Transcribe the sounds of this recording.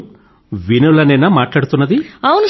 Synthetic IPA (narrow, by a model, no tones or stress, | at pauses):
ʋinɐlɐninːɐmaːʈlaːɽut̪unːɐd̪iawunu